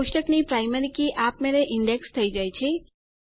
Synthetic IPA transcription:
ʊʃʈəknipɾajməɾikiʔap̚meɾeʔɪɳɖekst̪ʰəid͡ʒajt͡ʃʰe

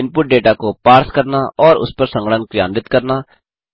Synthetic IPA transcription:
ɪnpʊʈ̚ɖeːʈaːkoːpaːɾskəɾnaʔɔːɾʊ̰spəɾsə̃ŋɡəɽənkɾɪja̰ːnʋɪt̪kəɾnaː

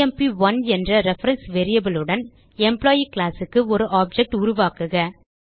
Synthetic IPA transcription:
ɛmpiʋɐnɛndrɐɾɛfɐɾɐnsʋeːɾɪjɐbɪlɯɽɐn | ɛmplaːjiklaːsɯkːɯɔɾɯʔaːb̚d͡ʒɛk̚ʈʊɾʊʋaːkɯɣɐ

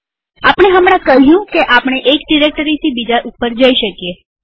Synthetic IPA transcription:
apəɽ̃eɦəmɽ̃ãkəɦjũkeʔapɽ̃eʔekɖiɾek̚ʈəɾit̪ʰibid͡ʒaʔupːəɾd͡ʒəiʃəkje

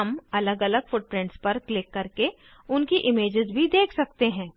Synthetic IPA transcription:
ɐmɐləɡɐləɡfʊʈ̚pɾɪ̃ɳʈspɐɾklɪkːɐɾke | ʊnkiʔɪmeːd͡ʒɪzbʱid̪eːkʰsɐk̚t̪eɦɛ̃ː

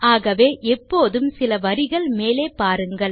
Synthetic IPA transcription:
aːɣɐʋeːʔɛpːoːðɯmsɪlɐʋɐɾɪɣɐɭmeːleːpaːɾɯŋɡɐɭ

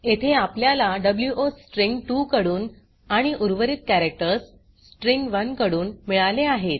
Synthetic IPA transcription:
et̪ʰeapljalaɖəbljuʔosʈɾiŋɡʈukəɽuːn | aɽ̃iʔuɾʋəɾiːt̪̚kæɾek̚ʈəɾsː | ʈɾiŋɡʋənkəɽuːnmiɭaleaɦet̪̚

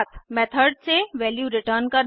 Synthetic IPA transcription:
t̪ʰmɛt̪ʰəɾɖseʋɛːljuɾɪʈəːɾnkəɾ

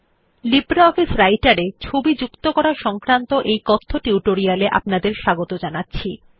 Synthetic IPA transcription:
libɾaɔfisɾajʈaɾet͡ɕʰobid͡ʑukt̪okɔɾaʃɔŋkɾant̪oʔejkɔt̪ʰːoʈiuʈoɾialeʔa̰pnad̪eɾʃaɡot̪od͡ʑanatːɕʰi

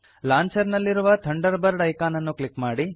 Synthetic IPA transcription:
laːɲt͡ʃɐɾnɐlːiɾuʋɐt̪ʰɐɳɖɐɾbɐɾɖɐjkaːnɐnːuklikmaːɽi

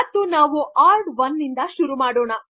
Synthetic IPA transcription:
ɐt̪ːunaːʋuʔaːɾɖʋɐnːind̪ɐʃuɾumaːɽɔːɳɐ

